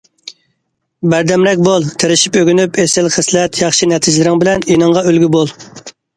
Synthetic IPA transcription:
bæɾd̪ɛmɾɛk̚ʲbolˠt̪ʰeɾɪʃi̥pøɡʲynypʰesɪlχɪslɛt̪ʰjɑχʃinɛt̪ʰid͡ʒlɪɾɪŋbɪlɛninɨŋʁɑølɡʲybolˠ

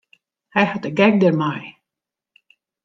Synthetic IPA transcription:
hajhatəɡɛk̚dɛrmaj

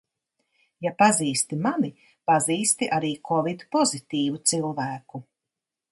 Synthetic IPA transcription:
japaziːst̪imani | paziːst̪iʔaɾiːkʰɔvid̪pɔzit̪iːvut̪silˠvæːku

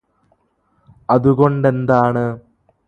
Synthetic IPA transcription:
ɐðuɣo̞ɳɖe̞nd̪aːɳɨ

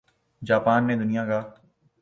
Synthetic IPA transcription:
d͡ʒaːpaːnmẽd̪ʊnijãkaː

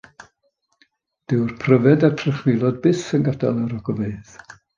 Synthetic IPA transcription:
d̥ɪwrpʰrəvɛdatʰrɛχwɪlˠɔd̚bɪsənɡada̰lˠəɾɔɡɔveɨð̥

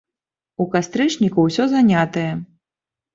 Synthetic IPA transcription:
ukast̪ɾɨt͡ʂnʲikuwsʲɔzanʲat̪ɐjɛ

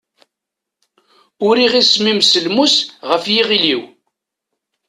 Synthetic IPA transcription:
ʊɾiʁismimsəlmusʁəfjiʁiliw

